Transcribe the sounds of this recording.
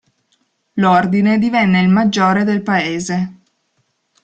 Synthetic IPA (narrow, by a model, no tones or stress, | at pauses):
lord̪ined̪ivɛnːeilmad͡ʒːoːɾed̪elpaeːze